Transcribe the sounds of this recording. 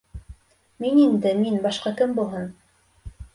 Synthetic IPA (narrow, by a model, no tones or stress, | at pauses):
minind̪ɘminbɑʃqɑkɘmbulˠɦɤn